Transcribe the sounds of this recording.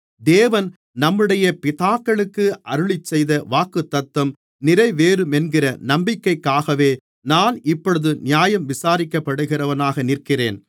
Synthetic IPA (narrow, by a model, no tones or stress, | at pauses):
d̪eːʋɐn | nɐmːɯɽɐjɐpɪðaːkːɐɭɯkːɯʔɐɾɯɭɪt͡ʃːɛjðɐʋaːkɯt̪ːɐt̪ːɐm | nɪɾɐɪʋeːɾɯmɛnɡɪrɐnɐmbɪkːɐɪkːaːɣɐʋeː | naːnɪpːɔɭɯðɯnɪjaːjɐmʋɪsaːɾɪkːɐpːɐɽɯɣɪrɐʋɐnaːɣɐnɪrkɪreːn